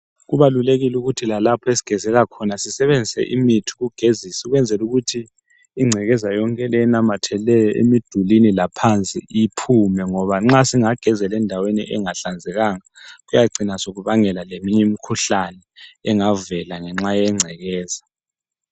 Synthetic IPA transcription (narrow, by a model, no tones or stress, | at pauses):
ɣuβaluleɣiluɣutʰilalapʰɔesi̥ɡ̥ʱɛzɛɣakʰɔnasisɛβend͡zʱisɛ̰ʔḭmitʰu̥ɣuɡ̥ʱezisuɣwɛnd͡zʱɛluɣutʰiː | ŋ͡ǀʱɛɣɛzajɔŋkʼɛlɛɛnamatʰɛlɛjɔʔḛmid̥ʱulinilapʰant͡sʼḭipʰumɛŋɔβaŋ͡ǁasiŋaɡ̥ʱɛzɛlɛndʱawenḭʔɛŋaɬand͡zʱɛɣaŋaɣujaǀinasoɣuβaŋɛlalemiɲɛmikʰuɬanɛːŋavɛlaŋɛŋ͡ǁajɛŋ͡ǀʱɛɣɛːz̥a